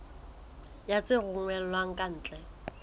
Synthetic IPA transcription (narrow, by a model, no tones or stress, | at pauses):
jat͡sʼɪɣʊŋwɛlwaŋ̩kʼan̩ːt͡ɬʼɛ